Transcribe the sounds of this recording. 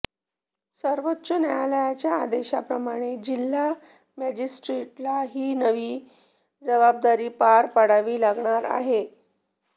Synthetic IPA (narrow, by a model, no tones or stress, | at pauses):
səɾʋotːɕənajaləjat͡ɕja̰ːd̪eɕapɾəmaɽ̃ed͡ʑilːa | mæd͡ʑisʈɾeʈlaɦiːnəʋiː | d͡zəβab̚d̪aɾiːpaɾpəɽaʋiːlaɡɳaɾa̰ɦe